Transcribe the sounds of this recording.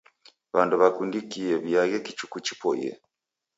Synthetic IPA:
βaːnduβakundikijeβjajekit͡ʃukucipo̰jḛ

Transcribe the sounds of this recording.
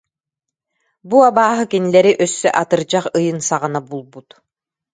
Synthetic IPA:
buabaːɦɯkinilɛɾiʔœsːœʔat̪ɯɾd͡ʑaχɯjɯnsaʁɯnabulˠbut̪

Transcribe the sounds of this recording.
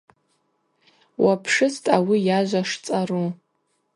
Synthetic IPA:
wapʰʂɨstʼawijaʒʷaʂt͡sʼaru

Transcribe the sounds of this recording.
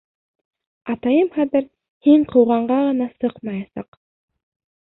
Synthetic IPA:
ɑt̪ɑjɤmχɑðɘɾ | hiɴqʰɤ̆wʁɑɴɢɑʁɤ̆nɑsɤqmɑjɑsɑ̰q

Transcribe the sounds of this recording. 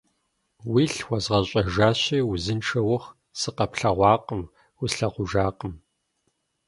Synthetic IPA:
wiːɬwɐzʁɐɕʼɐʒaːɕiːwʊzɨnʈ͡ʂʰɐwʊχ | sɨqɐpɬɐʁʷɑːqʼəm | wʊɬɐʁʷʊʒaːqəm

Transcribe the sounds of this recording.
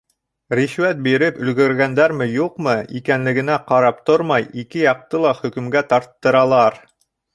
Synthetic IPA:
ɾiʃwæt̪̚biɾɘpɵ̆lɡɘ̆ɾɡænd̪æɾmɘjuqmɤikænlɘ̆ɡɘ̆næqɑɾɑp̚t̪oɾmɑjikɘjɑq̚t̪ɤlˠɑχɵ̆kɵ̆mɡæt̪ɑɾt̪ːɤ̆ɾɑlˠɑɾ

